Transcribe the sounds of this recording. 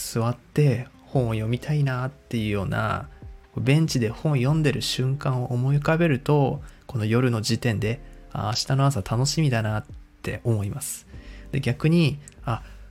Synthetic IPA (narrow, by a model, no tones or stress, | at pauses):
sɨβat̪ːe̞ | hõ̞ɰ̃ojo̞mʲit̪ʰainat̪ːe̞jɯ̟jo̞ːna̰kobẽ̞ɲ̟t͡ɕid̪e̞hõ̞ɰ̃jõ̞nd̪e̞ɾɯ̟ɕɨ̃ŋkãɰ̃o̞ʔːmo̞ikabe̞ɾɯ̟t̪o̞ko̞no̞jo̞ɾɯ̟no̞d͡ʑit̪ẽ̞nd̪e̞a̰ɕi̥t̪ano̞as̬at̪ʰano̞ɕimʲid̪anat̪ʰːe̞o̞mo̞imasɨ̥d̪̥e̞ɡʲakɯ̟ɲ̟ia